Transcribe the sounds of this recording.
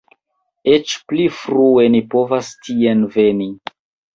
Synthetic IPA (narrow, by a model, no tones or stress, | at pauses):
et͡ʃplifɾuenipo̞vastʰienve̞ni